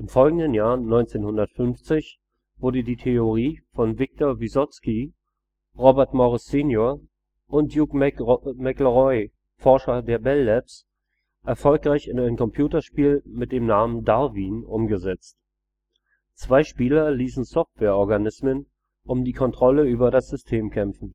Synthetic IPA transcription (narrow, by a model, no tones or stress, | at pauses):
ʔɪmfɔlɡŋ̩dənjaːɐnɔʏnt͡seːnhʊndɐtfʏnft͡sɪç | v̥ʊɐdədiːtʰeoʁiːfɔnvɪk̚tʰɔɐvizɔski | ʁobɛɐtmɔʁɪseːnjoːɐ | ʔʊntjukmmɛkləʁɔʏ | fɔɐʃɐdeːɐbɛlːɛps | ʔɛɐfɔlkʁ̥aɪçɪnaɪnkʰɔmpʰj̥uːtɐʃpiːlmɪt̚d̥eːmnaːməndaʁviːnʔʊmɡəzɛt͡st | t͡sv̥aɪʃpiːlɐliːsn̩sɔftv̥ɛːɐʔɔɐɡanɪsmən | ʔʊmdiːkʰɔntʁ̥ɔləyːbɐdasz̥ʏstʰeːmkʰɛmfn̩